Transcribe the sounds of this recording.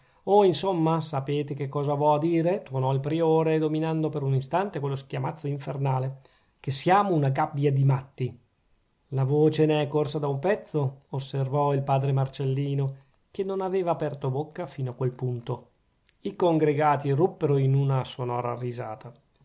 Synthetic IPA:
oinsomːasapeːt̪ek̟ekːɔːzavɔad̪iːɾet̪unɔilpɾioːɾed̪ominand̪opeɾunist̪ant̪ekwelːosk̟jamat̪sːoiɱfernaːle | kesːjaːmounaɡabːjad̪imat̪ːi | lavoːt͡ʃeneɛkːorsad̪aumpɛt̪sːoosːervɔilpaːd̪ɾemart͡ʃelːiːno | kenːonaveːvaːpɛrt̪obokːafiːnoakwelpunt̪o | ikoŋɡɾeɡaːt̪irupːeɾoinunasonɔːɾa̰riza̰ːt̪a

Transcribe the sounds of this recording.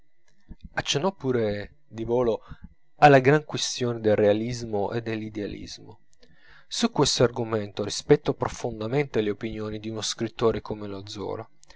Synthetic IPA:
at͡ʃːenːɔpːuːɾe | d̪ivoːlo | alːaɡɾaŋkwest̪joːned̪elrealizmoʔed̪ːelːid̪ealḭzmo | sukːwest̪oarɡument̪orispɛt̪ːɔpɾofond̪ament̪eleopinjoːnid̪iunoskɾit̪ːoːɾekomelod̪zɔ̰ːla

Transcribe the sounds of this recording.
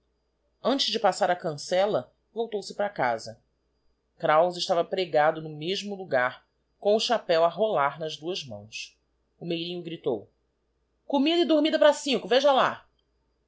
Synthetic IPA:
ɐ̃t͡ʃɪʒd͡ʒɪpasaɾɐkɐ̃sɛlɐ | vowt̪owsɪpɾɐka̰zɐ | kɾawzɪʃt̪avɐpɾeɡad̪ʊnʊmeʒmʊluɡaɾ | kõʊʃapɛwɐɦolaɾnɐzd̪uɐzmɐ̰̃w̃s | ʊmejɾĩɲʊɡɾit̪o̰w | komid̪ɐɪd̪oɾmid̪ɐpɾasĩŋkʊveʒɐla

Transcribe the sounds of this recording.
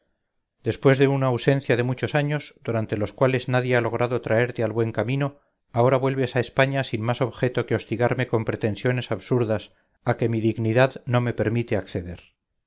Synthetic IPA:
d̪e̞spwe̞zðe̞unaːwse̞n̟θjaðe̞mut͡ʃo̞saɲo̞zd̪uɾant̪e̞lo̞skwale̞znaðjealo̞ɣɾaðo̞t̪ɾae̞ɾt̪e̞alβwe̞ŋkamĩno̞ | ao̞ɾaβwe̞lβe̞saespaɲasinmaso̞βxe̞t̪o̞keo̞st̪iɣaɾme̞ko̞mpɾe̞t̪e̞nsjo̞ne̞saβsuɾðas | ake̞miðiɣniðaðno̞me̞pe̞ɾmit̪eakθe̞ðe̞ɾ

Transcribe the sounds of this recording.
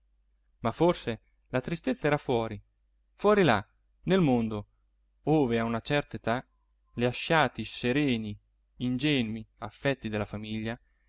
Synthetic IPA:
mafːorse | lat̪ɾist̪et̪sːaɛːɾafwɔːɾi | fwɔːɾila̰ | nelmond̪o | oːveaunat͡ʃɛrt̪aet̪a | leaʃːaːt̪iseɾɛːniː | nd͡ʒɛːnwiafːɛt̪ːid̪elːafamiʎːa

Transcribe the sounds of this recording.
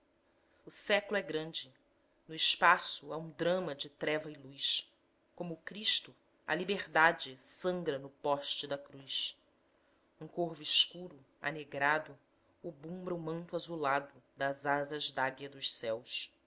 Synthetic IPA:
ʊsɛklʊɛɡɾɐ̃nd͡ʒɪ | nʊɪʃpasʊaũd̪ɾɐ̃mɐd͡ʒɪt̪ɾɛvɐɪlujs | kõmʊːkɾiʃt̪ʊ | ɐ̰libeʁd̪ad͡ʒɪsɐ̃ŋɡɾɐnʊpɔʃt͡ʃɪd̪ɐkɾujs | ũkoɾvʊiʃkuɾʊ | a̰neɡɾad̪ʊː | bũmbɾɐʊmɐ̃nt̪ʊazulad̪ʊd̪ɐzazɐzd̪aɡiɐd̪ʊʃsɛws

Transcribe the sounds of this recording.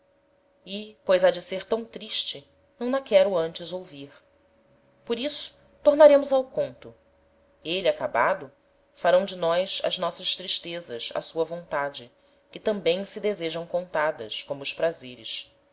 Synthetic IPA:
ɪpojzad͡ʒɪseɾt̪ɐ̃w̃t̪ɾiʃt͡ʃɪ | nɐ̃w̪̃ɐkɛɾʊɐ̃nt͡ʃɪzowviɾ | poɾisʊ̥ | t̪oɾnaɾẽmʊzawkõnt̪ʊ | eliakabad̪ʊ | faɾɐ̃w̃d͡ʒɪnɔjsɐ̰znɔsɐʃt̪ɾiʃt̪ezɐzɐ̰suɐvõnt̪ad͡ʒɪ | kɪt̪ɐ̃mbẽj̃sɪd̪ezeʒɐ̃w̃kõnt̪ad̪ɐ̰ʃkõmʊːʃpɾazeɾɪ̰ʃ

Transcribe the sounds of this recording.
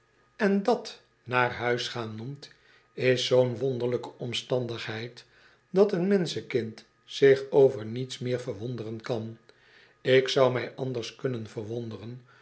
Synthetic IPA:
ɛndɑt | naːɹɦœɥsχaːnumt | ɪsːownʋɔndəɹləkəʔɔmstɑndəχɦɛjt | dɑtənmɛnsəkɪnt | sɪχowvəɹnitsmɪːɹvəɹʋɔndərənkɑn | ɪksʌwmɛjʔɑndəɹskɵnənvəɹʋɔndərən

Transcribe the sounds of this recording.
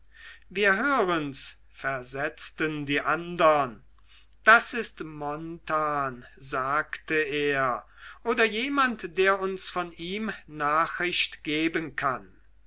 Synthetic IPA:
viːɐɦøːʁəns | fɛɐzɛt͡stəndiːʔandɐn | d̥asɪstmɔntaːnzaːktəeːɐ | ʔoːdɐjeːmantd̥eːɐʊnsfɔniːmnaːχʁ̥ɪɕtɡ̥eːbənkʰan

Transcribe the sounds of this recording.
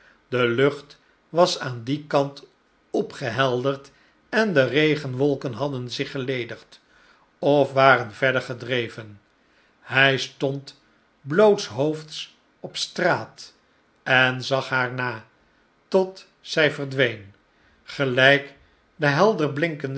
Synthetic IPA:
dəlɵχt | ʋɑsaːndikɑnt | ɔpχəɦɛlˠdəɹt | ɛndərejχənʋɔlˠkənɦɑdənzɪχəlejdəχt | ɔfʋaːrənvɛɹdəɹχədrejvən | hɛjstɔnt | blowtsɦowfts | ɔpstraːt | ɛnzɑχɦaːɹnaː | tɔt | sɛjvəɹdʋejn | χəlɛjk | dəɦɛlˠdəɹblɪŋkənd

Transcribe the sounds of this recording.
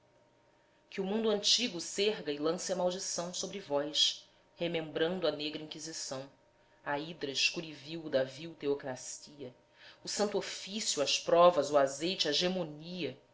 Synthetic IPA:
kɪumũnd̪ʊɐ̃nt͡ʃiɡʊseɦɡɐɪlɐ̃sɐmawd͡ʒisɐ̃w̃sobɾɪvɔjs | hemẽmbɾɐ̃nd̪ʊɐneɡɾɐĩkizisɐ̃w̃ | ɐid̪ɾɐɪʃkuɾiviwd̪ɐviwt̪eokɾasiɐ | ʊsɐ̃nt̪ofisjuɐspɾɔvɐzʊazejt͡ʃɪɐʒemoniɐ

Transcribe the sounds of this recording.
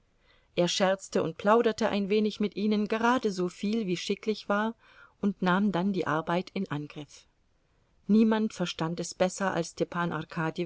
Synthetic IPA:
ʔeːɐʃɛɐt͡stəʊ̰nt̚pʰl̥aʊɾɐtəʔa̰ɪnveːnɪçmɪtʔiːnənɡəʁaːdəzoːfiːlviːʃɪklɪçv̥aːɐ | ʔʊntnaːmdandiːʔaɐbaɪtʰɪnʔanɡ̥ʁɪf | niːmantfɛɐʃtantɛsb̥ɛsɐʔa̰lstepʰaːnʔa̰ʁkʰaːdi

